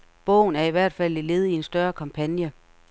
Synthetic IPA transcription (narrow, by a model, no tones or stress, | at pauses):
b̥ɔ̽ʊ̰n̩æɐiʋæɐ̰d̥fæl̰ile̝ːð̞̩ˠie̝nsd̥ɶɐkʰɑ̈mpʰænjə